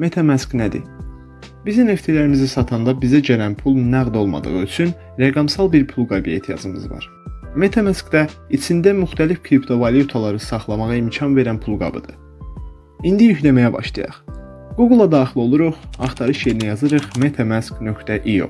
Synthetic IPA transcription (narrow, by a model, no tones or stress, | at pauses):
me̞t̪ʰɑmæsknæd̪ḭ | b̥izine̞ft̪ʰilæɾimizisɑt̪ʰɑnd̪ɑbizæd͡ʒøɾænpʰulˠnæɣd̪o̞lˠmɑ̰d̪ɯ̰ʁɯyt͡ʃʰyn | ɾeɡɑmsɑlˠbiɾpʰulˠɡɑbijḛt̪ʰijɑ̰zɯmɯ̰zvɑ̰ɾ | me̞t̪ʰɑmæskd̪æit͡ʃʰind̪æmyxt̪ʰælifkʰɾipt̪ʰo̞vɑlijut̪ʰalˠɑɾɯsɑχlˠɑmɑʁɑimcʰɑnve̞ɾænpʰulˠɡɑ̰bɯ̰d̪̥ɯ | ind̪ijyçlæmæjæbɑ̰ʃlˠɑ̰jɑ̰χ | ɡ̥uɡlˠːɑd̪ɑːχilˠo̞lˠuɾuχɑχt̪ʰɑɾɯʃjejinæjɑzɯɾɯχme̞t̪ʰɑmæsknø̞kt̪æʔijo̰